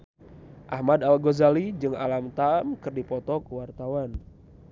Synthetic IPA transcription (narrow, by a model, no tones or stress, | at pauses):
ʔahmad̪alɡozalid͡ʒɨŋa̰lamt̪amkɨrdipɔt̪ɔkəwart̪awan